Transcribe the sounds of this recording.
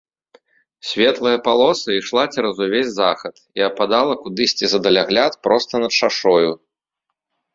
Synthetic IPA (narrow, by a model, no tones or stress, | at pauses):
sʲvʲɛt̪lˠɐjɐpalˠɔsɨiʂlˠat͡sʲɛɾɐzuvʲezʲzaxɐt̪iɐpad̪alˠɐkud̪ɨsʲt͡sʲizɐd̪ɐlʲaɣlʲat̪pɾɔst̪ɐnɐt̪t͡ʂaʂɔju